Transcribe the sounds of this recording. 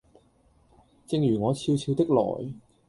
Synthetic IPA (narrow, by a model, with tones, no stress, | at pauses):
t͡sɪ˧ŋjyː˨˩ŋɔː˨˧t͡sʰiː˧wt͡sʰiː˧wt̪ɪ˥k̚lɔ̰ː˨˩j